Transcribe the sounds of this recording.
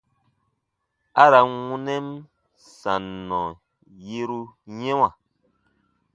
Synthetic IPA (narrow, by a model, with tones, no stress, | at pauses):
a˦ɾa˨ŋũ˦nɛ˦m | sa˨nːɔ̃˨ | je˦ɾu˦ɲɛ̃˦w̃a˨